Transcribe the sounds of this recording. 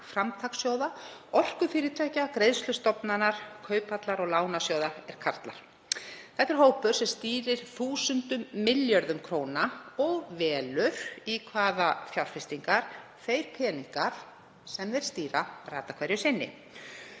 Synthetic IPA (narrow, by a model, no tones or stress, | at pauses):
fɾamt̪ʰaksjowðaɔr̥kʏfɪːɾɪt̪ʰajcakɾejðst̪lʏst̪ɔpnanaɾ̥kʰœːɥpat̪laɾɔɣlaːwnasjoːwðaɛɾ̥kʰaɾ̥t̪la̰ɾ̥ | θɛht̪ːɛɾɦoːwpʏɾ̥sɛmst̪iːɾɪɾ̥θuːsʏnt̪ʏmːɪljœɾðʏmkʰɾoːwnaɔɣvɛːlʏɾ̥ikʰvaːðafjawɾ̥fɪst̪iŋkaɾ̥ | θeːjɾ̥kʰɛːniŋkaɾ̥ | sɛmðɛɾ̥st̪iːɾaraːt̪akʰvɛɾjʏsɪnːɪ̰